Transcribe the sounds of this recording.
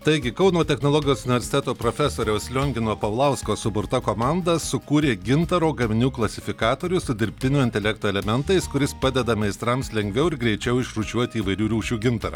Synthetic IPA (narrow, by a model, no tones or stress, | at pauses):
t̪ɐɪɡʲɪkɒʊnoːt̪ʲɛxnoːlˠɔːɡʲɪjoːsʊnʲɪʋʲɛɾsʲɪ̥t̪ʲæt̪oːpɾofʲɛsoːɾʲɛʊslʲoŋʲɡʲɪnoːpɐʊlˠɐʊskoːsʊbʊɾt̪ɐkoːmɑnd̪ɐsʊkuːɾʲeːɡʲɪnt̪ɐɾoːɡɐmʲɪnʲuːklˠɐsʲɪfʲɪkɑːt̪oːɾʲʊsʊd̪ʲɪɾʲpʲt̪ʲɪnʲuːɪnʲt̪ʲɛlʲɛkt̪oɛlʲɛmʲɛnt̪ɐɪskʊɾʲɪspɑːd̪ʲɛd̪ɐmʲɛɪst̪ɾɐmslʲɛŋʲɡʲʋʲɛʊɪɾɡɾʲɛɪt͡ʃʲɛʊɪʃɾut͡ʃʲuɔt̪ʲɪiːʋɐɪɾʲːɾʲuːʃʲuːɡʲɪnt̪ɐɾɐ̰